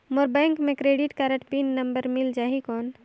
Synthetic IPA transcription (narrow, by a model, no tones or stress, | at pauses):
moɾbɛ̃ŋkmẽkɾeɖiʈkaɾəʈpinːəmbəɾmild͡ʒaːɦikɔːn